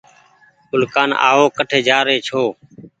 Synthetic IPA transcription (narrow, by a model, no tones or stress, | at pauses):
ʊlkaːna̰ːoːkəʈʰeːd͡ʒaːɾeːt͡ʃʰoː